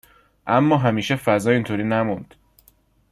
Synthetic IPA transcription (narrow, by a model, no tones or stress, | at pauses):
ʔæmːɒːɦæmiːʃefæzɒːint̪ʰoːɾiːnæmund̪̥